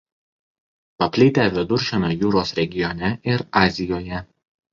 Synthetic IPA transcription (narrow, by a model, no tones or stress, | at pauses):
pɐpʲlʲɪt̪ʲæːʋʲɪd̪ʊɾʲʃʲɛnoːjuːɾoːsɾʲɛɡʲɪjɔnʲɛɪɾɑːzʲɪjoːjɛ